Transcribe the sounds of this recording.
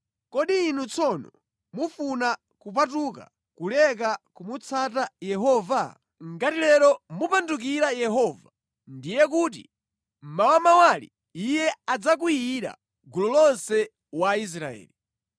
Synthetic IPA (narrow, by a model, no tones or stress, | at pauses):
kɔɗiːn̤ut͡sʰɔnɔ | mufuna | kupat̬uka̰ | kulɛk̬akumut͡sʰatajɛɦɔva | ŋɡatilɛɾɔmupanduk̬iɾajɛɦɔva | ndijɛkut̬ḭ | m̩mawamawalḭ | ijɛad͡zak̬ujiɾa̰ | ɡulɔlɔnsɛ | wais̬ɾa̰ɛ̰ːli